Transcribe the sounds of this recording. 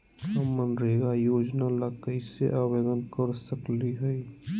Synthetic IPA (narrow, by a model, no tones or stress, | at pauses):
əmːənɾeːɡajoːd͡ʒnaləkəɪsḛʔabeːd̪ənkəɾsəkliɦəi